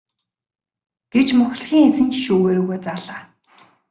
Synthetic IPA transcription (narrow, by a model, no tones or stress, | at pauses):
ɡ̥e̥t͡ɕmʊx̆ɮxʲiːŋet͡sɘ̆nt͡ɕʃuːɣeːɾɵːɣoːt͡saːɮaː